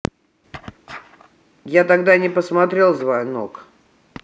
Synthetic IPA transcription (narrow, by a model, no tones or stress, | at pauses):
jat̪aɡd̪anʲɪpəsmɐt̪ɾʲe̞lˠzvajnok